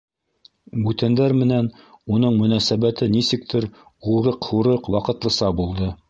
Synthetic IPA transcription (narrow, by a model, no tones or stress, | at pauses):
bʉt̪ænd̪æɾmɘ̆næn | unɤɴmɵ̆næsæβæt̪ɘnisɘ̆k̚t̪ʰɘɾ | uɾɤqhuɾɤqwɑqɤ̆t̪lˠɤ̆sɑbulˠd̪ɤ